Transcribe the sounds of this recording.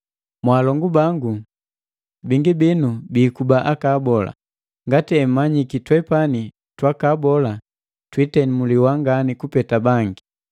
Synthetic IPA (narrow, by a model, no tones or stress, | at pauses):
mwaːlɔŋɡubaŋɡu | biŋɡibinubiːkubaʔakaːbɔla̰ | ŋɡatiɛm̩maɲikitwɛpani | twakaːbɔla | twitɛnimuliwaŋɡanikupɛtabaŋɡi